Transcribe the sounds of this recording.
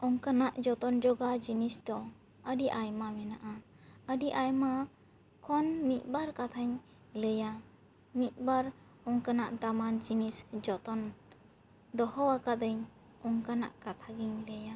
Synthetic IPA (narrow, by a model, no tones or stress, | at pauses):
ɔŋkanaʔd͡ʒɔt̪ɔnd͡ʒɔɡad͡ʒinisd̪ɔ | əɖiʔajmamɛnaʔa | əɖiʔajma | kʰɔnmit̪̚ˀbaɾkat̪ʰaɲ | ləja | mit̪̚baɾ | ɔŋkanaʔd̪amand͡ʒinisd͡ʒɔt̪ɔn | d̪ɔhɔwakad̪əɲ | ɔŋkana̰ʔkat̪ʰaɡiɲləja